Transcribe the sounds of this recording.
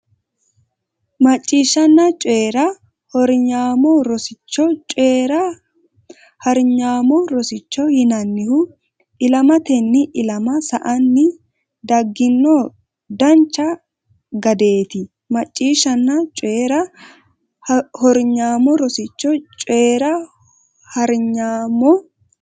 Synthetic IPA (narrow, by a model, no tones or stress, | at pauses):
mɐt͡ʃʼːiːʃːɐnːɐt͡ʃʼeːɾɐ | hɔɾɲaːmɔɾɔsɪt͡ʃːɔt͡ʃʼeːɾɐ | hɐɾɲaːmɔɾɔsɪt͡ʃːɔhɪnɐnːɪhʊ | ʔɪlɐmɐt̪ɛnːɪʔɪlɐmɐsɐʔɐnːɪ | d̪ɐɡːɪnːɔ | d̪ɐnt͡ʃːɐ | ɡɐd̪e̞ːt̪ɪ | mɐt͡ʃʼːiːʃːɐnːɐt͡ʃʼeːɾɐ | hɔɾɲaːmɔɾɔsɪt͡ʃːɔt͡ʃʼeːɾɐ | hɐɾɲaːmɔ